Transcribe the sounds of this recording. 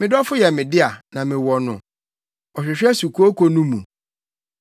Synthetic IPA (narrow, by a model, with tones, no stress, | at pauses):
mɪ̃˦dɔ˦fʊ˦jɛ˨mɪ̃˨dɪ˦a˨nã˨mɪ̃˨wɔ˨nʊ̃˨ | ɔ˨ɕᶣɪ˨ɕᶣɛ˦su˨kʰu˦o˦kʰo˨nũ˦mṵ̃˨